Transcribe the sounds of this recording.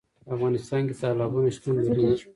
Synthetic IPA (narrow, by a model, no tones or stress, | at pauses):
afɣɑnɪst̪ɑnket̪ɑlɑbunaʃt̪unlaɾi